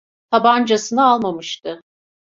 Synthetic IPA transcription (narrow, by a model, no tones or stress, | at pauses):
t̪ʰaband͡ʒasɯnɯalˠmamɯʃt̪ɯ